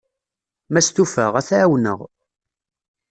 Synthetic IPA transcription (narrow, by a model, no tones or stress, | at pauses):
mæst̪ufəʁæθʕawnə̰ʁ